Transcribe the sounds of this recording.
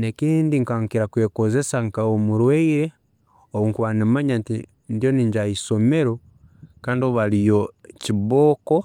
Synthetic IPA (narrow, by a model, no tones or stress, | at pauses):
nekiːndiŋkaŋkiɾakweːkoze̞saŋkaomuɾweiɾe | oβuŋkuβanimaɲanti | ndjoniɲd͡ʒaiso̞me̞ɾo | kaːndioβalijociβoːko